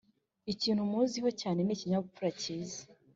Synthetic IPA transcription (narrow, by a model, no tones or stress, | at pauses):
iciːnhumuːziɦo̞caːne̞niciɲaɡup͡fuɾaciːzḁ